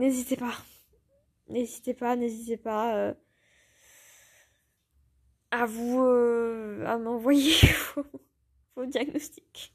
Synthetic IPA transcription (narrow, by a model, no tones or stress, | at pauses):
nezit̪epa | nezit̪epanezit̪epaø | avuøa̰mɑ̃vwajevo | vod̪jaɡnɔst̪i̥k